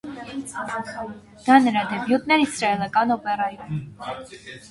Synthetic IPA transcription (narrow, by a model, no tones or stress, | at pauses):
d̪̥ɑnəɾɑd̪ɛbjut̪̚nɛɾisɾɑɛlɑkɑnɔpɛrɑjumɛ